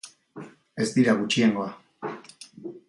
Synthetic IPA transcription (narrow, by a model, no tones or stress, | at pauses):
e̞zd̪iɾaɣut͡ʃie̞ŋɡo̞a